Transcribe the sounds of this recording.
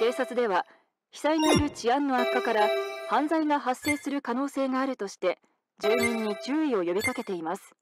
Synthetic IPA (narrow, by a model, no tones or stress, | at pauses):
t̪e̞ːsat͡sɨd̪e̞βa | çi̥saiɲ̟ijoɾɯ̟t͡ɕiãnːo̞akːakaɾahãnzaiŋaɦasːe̞ːsɨɾɯ̟kano̞ːse̞ːŋaːɾɯ̟t̪o̞ɕi̥t̪e̞ | d͡ʑɨːɲĩɲ̟ːit͡ɕɨːio̞jo̞bʲikake̞t̪e̞imasɨ̥